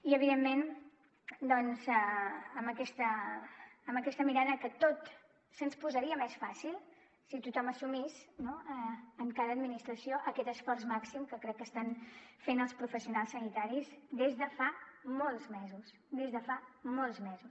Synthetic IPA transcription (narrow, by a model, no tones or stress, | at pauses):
iəβ̞iðemːen | d̪ɔnzəəmbəkɛst̪əː | məkɛst̪əmiɾaðəkət̪ot̪ | sənspuzəɾiəmɛsfasilˠ | sit̪ut̪ɔməsumisnoɛəŋkaðəːd̪minist̪ɾəsioʔəkɛt̪əsfɔrsmaksimkəkɾɛkːəst̪anfenəlˠspɾufəsiunalˠsːənit̪aɾizd̪ezðəfamolˠzmɛzus | d̪ezðəfamolˠzmɛzus